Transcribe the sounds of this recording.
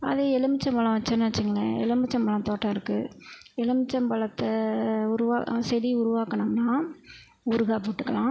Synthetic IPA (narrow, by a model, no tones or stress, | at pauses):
ɐ̰ðeɛlɯmɪt͡ʃːɐ̃mpɐɭɐ̃ʋɐt͡ʃːɐnːɯʋɐt͡ʃːɯŋɡɐɭɐɛ̰lɯmɪt͡ʃːɐmpɐɭɐ̃mt̪oːʈːɐ̃ɪɾɯkːɯ | ɛlɯmɪt͡ʃːɐmpɐɭɐt̪ːɐʊɾʊʋaːsɛɾiʊɾʊʋaːkɐɳɐmnãː | ʊɾɯɣaːpːɪʈːɯkːɐlãː